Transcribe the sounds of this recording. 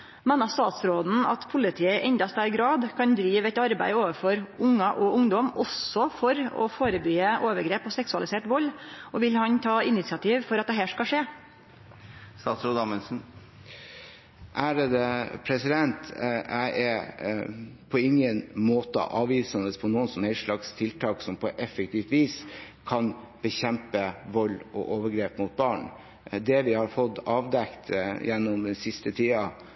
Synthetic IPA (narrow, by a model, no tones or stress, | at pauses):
meːnɑst̪ɑːt̪sɾoːd̪n̩ɑ̰t̪pʰʊlɪt̪ʰiːəʔɛɲd̪ɑst̪æɾɡɾɑːd̪kʰɑnd̪ɾiːʋɛt̪ɑɾbæ̰ɪoːʋəfɔɾʔʊŋːɑʔɔʔʊŋd̪ɔmɔsɔfɔɾɔ̰foːɾəbyːəʔoːʋəɡɾeːpɔsɛksʉɑlɪseːʈʋɔlːɔʋɪlhɑnt̪ʰɑːɪnɪt̪sɪɑt̪ʰiːʋfɔɾɑt̪̚d̪ɛɦæːʂkɑʂeː | st̪ɑːt̪sɾoːd̪ɑmɛnsn̩ | ʔæɖɛd̪ɛpʰɾɛsɪd̪ɛnt̪æɪʔɛ | pʰɔɪŋːənmoːt̪ə̰ʔɑːʋiːsɑnəspʰɔnuːənsɔmhɛɪʂɭɑkst̪ʰɪlt̪ʰɑːksɔmpʰɔʔɛfɛkt̪ʰiːft̪ʋiːs | kʰɑn | b̥əçɛmpəʋɔlːɔ̰ʔoːʋəɾɡɾeːpmʊt̪̚bɑːɳ | d̪ɛʋɪhɑɾfɔd̪ɑːʋd̪ɛkt̪jɛnːɔmɛsɪst̪ət̪ʰiːɑ